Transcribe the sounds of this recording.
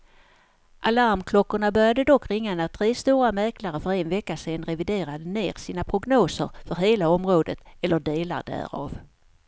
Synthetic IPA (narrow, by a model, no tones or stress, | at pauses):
ʔalaɾmkʰlɔkːʊɳabœɾjad̪əd̪ɔkːɾɪŋːaɛnat̪ʰɾeːst̪uːɾamɛɾklaɾəfœɾenvɛkːaseːnɾɛvɪd̪eːɾad̪əneːɾsiːnapʰɾʊɡnoːsə̰ɾfœɾɦeːlaɔmɾoːd̪ət̪ɛlːəɖeːla̰ɖæ̰ːɾɑ̰ːv